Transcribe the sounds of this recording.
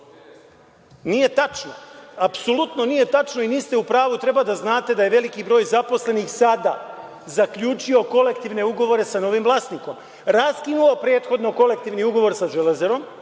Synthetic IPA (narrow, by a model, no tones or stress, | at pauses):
niːje̞t̪at͡ʃnoapsolut̪nonije̞t̪at͡ʃno̞iniːst̪e̞upɾaːʋut̪ɾe̞bad̪aznaːt̪e̞d̪aje̞ʋe̞likibɾo̞ːjzapo̞sle̞nixsad̪a̰ | zakʎut͡ʃio̞ko̞le̞kt̪iʋne̞uɡo̞ʋo̞ɾe̞sano̞ʋimvlˠaːst̪niko̞m | ɾaskinulopɾe̞ːt̪xo̞d̪no̞ko̞le̞k̚t̪iʋniuɡo̞ʋo̞ɾsaʒelezeɾo̞m